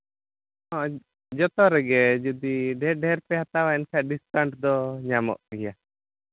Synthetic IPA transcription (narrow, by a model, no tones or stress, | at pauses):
ɦɔ̃ | d͡ʒɔt̪ɔɾɛɡɛd͡ʒud̪iɖʱɛɾɖʱɛɾpɛɦat̪awaɛnkʰaʔɖiskaɳʈd̪ɔɲamɔ̰ʔɡija